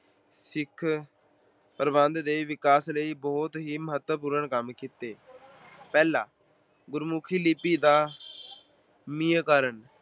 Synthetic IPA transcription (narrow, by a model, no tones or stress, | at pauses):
sɪkʰ | pəɾəbənd̪d̪eːʋɪkaːsləiːbɔːʊt̪ɦiːməɦət̪wəpuːɾəɳkəmkiːt̪eː | pɛːlaː | ɡʊɾmʊkʰiːliːpiːd̪aː | miːəkəɾəɳ